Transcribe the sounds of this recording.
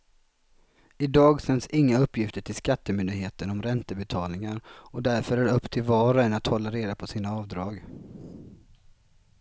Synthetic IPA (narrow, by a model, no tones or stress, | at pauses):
ɪd̪ɑːɡsɛnsɪŋːaɵpːjɪft̪əʈʰɪlskat̪ːəmʏnd̪ɪɡɦeːt̪ənɔmɾɛnt̪əbɛt̪ʰɑːlnɪŋaɾɔd̪æɾfœɾæɖɵpːt̪ʰɪlvɑːɾaɛnat̪hɔlːaɾeːd̪apʰɔsiːnaɑːvd̪ɾɑːɡ